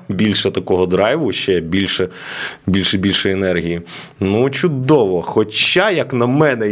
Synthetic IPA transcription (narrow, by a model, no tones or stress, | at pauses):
bʲilʲʃɛt̪ɐkɔɦɔd̪ɾɑjʋʊʃt͡ʃɛbʲilʲʃɛbʲilʲʃɛbʲilʲʃɔjɛnɛrɦʲijinut͡ʃʊd̪ɔʋɔxɔt͡ʃɑjɐknɐmɛnɛ